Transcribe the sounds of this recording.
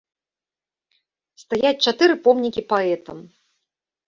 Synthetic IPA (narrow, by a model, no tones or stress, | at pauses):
st̪ajat͡sʲt͡ʂat̪ɨɾɨpɔmnʲikʲipaɛt̪ɐm